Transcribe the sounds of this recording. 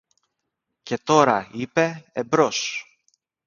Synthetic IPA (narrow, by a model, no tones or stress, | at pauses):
ce̞t̪o̞ɾɐipe̞ebɾo̞s